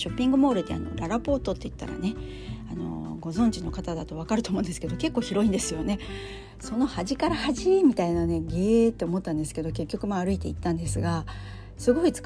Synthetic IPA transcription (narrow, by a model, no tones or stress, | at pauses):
ɕo̞pʲːĩŋɡɯ̟mo̞ːɾɯ̟t̪ːḛa̰no̞̰ɾaɾapo̞ːt̪o̞t̪ːe̞it̪ːa̰ɾa̰ne̞ | ano̞̰ɡo̞zõ̞ɲ̟d͡ʑino̞kat̪ad̪at̪o̞β̞akaɾɯ̟t̪omõ̞nd̪esɨ̥ke̞d̪o̞ke̞kːo̞ːçiɾo̞ĩnd̪e̞sɨjo̞ne̞ | so̞no̞haʑikaɾahaʑimʲit̪ainane̞ɡeːt̪ːe̞omo̞t̪ːãnd̪e̞sɨ̥ke̞d̪o̞ke̞kʲːo̞kɯ̟maːɾɯ̟it̪e̞it̪ːãnd̪e̞sɨɡa | sɨɡo̞it͡sɨ̥k